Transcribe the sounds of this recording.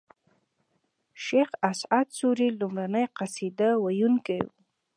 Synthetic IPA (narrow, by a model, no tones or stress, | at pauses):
ʃexasʕat̪suɾilumɾanəjqasid̪awajunkaj̰